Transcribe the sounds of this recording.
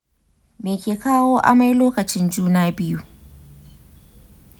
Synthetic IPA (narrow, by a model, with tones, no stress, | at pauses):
meː˨kʲeː˨kaː˦woː˦ʔa̰˨ma˦jloː˦kɐ˨t͡ʃɪ˦nd͡ʒuː˦naː˦bɪ˦ju˦